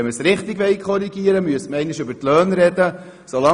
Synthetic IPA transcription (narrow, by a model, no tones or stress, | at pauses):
ɛməsɾɪχt̪ɪɡʋɛlkʰχɔɾiɡiəɾəmyəstməɾɛɪnɪʃʏbəɾtlœːnɾɛd̪ə | solɑ